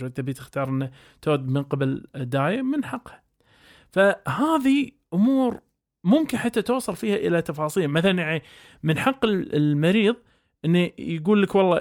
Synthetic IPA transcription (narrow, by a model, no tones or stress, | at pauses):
at̪ːabiːt̪ɪxt̪ɑːɾˤʔɪnːa | t̪oːd̪mɪnqɑbald̪ːaːjamɪnħɑqːhḁ | fahaːði | ʔʊmuːɾ | mʊmkɪnħat̪ːat̪oːsˤɑlfiːhaʔɪlat̪ɑfɑːsˤiːlmaθalanjaʕni | mɪnħɑqːɪlmaɾiːðˤ | ʔɪnːijɡuːlːəkwɑlˤːɑː